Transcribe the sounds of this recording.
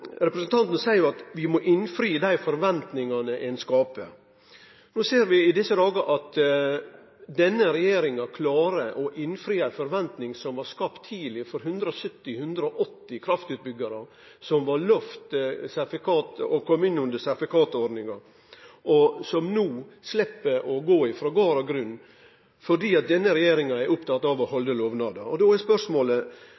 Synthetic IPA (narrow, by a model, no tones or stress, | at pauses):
ɾɛpɾəsənt̪ʰɑnt̪nəsæɪəɾjɑt̪ʋɪmɔʔɪnfɾiːəd̪æɪfɔɾʋɛnt̪nɪŋɑnəʔɛnskɑːpə | noːseːɾʋɪɪd̪ɪsːəd̪ɑːɡɑʔɑt̪ | d̪ɛnːəɾɛjeːɾɪŋɑkʰlɑːɾəʔɔʔɪnfɾiːæfɔɾʋɛnt̪nɪŋsɔmʋɑɾskɑpt̪ʰːiːlɪfɔɾɦʉnd̪ɾəɔsœt̪ːɪhʉnd̪ɾəɔʔɔt̪ːɪkʰɾɑft̪ʉːt̪̚bʏɡɑɾə | sɔmʋɑɾlœft̪sæɾfɪkʰɑːt̪əɔkʰɔmːɪnːʉnd̪əsæɾfɪkʰɑːt̪ɔɾɖnɪŋɑ | ɔsɔmnuːslɛpːəʔɔɡoːɪfɾoːɡɑːɾɑɡɾʉnː | fɔɖiːɑt̪̚d̪ɛnːəɾɛjeːɾɪŋɑɛɾʔʊpt̪ʰɑt̪ːɑʋɔhɔld̪əloːʋnɑːd̪ɑɔd̪oːɛspœʂmoːlə